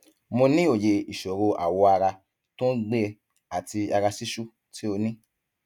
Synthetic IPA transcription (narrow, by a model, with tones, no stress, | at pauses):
mo˧nĩ˦o˦˨je˧i˨ʃo˨ɾo˧a̰˨wo˧a˧ɾa˧ | tõ˦ɡ͡be˦˧ | a˨ti˧a˧ɾa˧si˦ʃu˦ | ti˦o˧nĩ˦